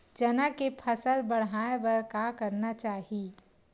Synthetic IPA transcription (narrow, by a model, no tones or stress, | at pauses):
d͡ʒɐnakepʰɐsəlbɐɽ̤aːeʋɐɾkakɐɾnat͡ʃaːɦieː